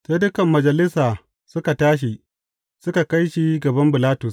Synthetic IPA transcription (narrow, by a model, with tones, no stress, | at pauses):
se˦dʊ˦kɐ˨mːɐ˨d͡ʒɐ˨lɪ˦saː˨ | sʊ˦ka˨taː˦ʃ̬i˨ | sʊ˦ka˨ka˦jʃiː˦ɡɐ˨bɐ˦mbɪ˨laː˦tʊ˨s